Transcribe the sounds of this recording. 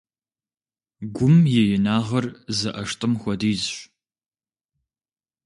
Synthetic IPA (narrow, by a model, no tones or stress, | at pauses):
ɡʷʊmjɛjɪnaːʁɐrzɨʔɐʂtʼɨmxʷɔdiːzɕʷ